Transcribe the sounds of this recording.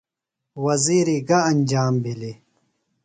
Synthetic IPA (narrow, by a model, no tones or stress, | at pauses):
wɐziːɾiɡɐɐnd͡ʑaːmbʱili